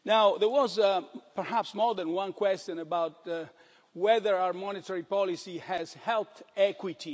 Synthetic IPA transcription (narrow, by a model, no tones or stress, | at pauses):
nawðəɹwɔzpɛɹhæpsmɔɹðɛ̃nwãnkwɛst̪jɔ̃nəbawt̚ | wɛðəɹaəmɔnɪt̪əɹipɔlisihɛzhɛlt̪ɛkwit̪ʰi